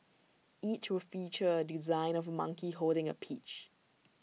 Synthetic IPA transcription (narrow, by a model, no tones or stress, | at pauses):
ʔit͡ʃwɪlfit͡ʃəədizãɪ̃nɔvəmʌ̰̃ŋkiɦoldɪ̃ŋə̰pʰit͡ʃ